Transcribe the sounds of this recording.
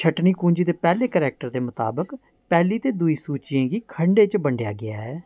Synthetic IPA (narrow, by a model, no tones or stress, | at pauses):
t͡ʃʰəʈniːkũːɲd͡ʒiːd̪eːpɛːleːkəɾɛːk̚ʈəɾd̪eːmʊt̪a̰ːbək | pɛːliːt̪eːd̪uiːsuːt͡ʃijãːɡiːkʰəɳɖeːt͡ʃbəɳɖeja̰ːɡɪaːɦɛː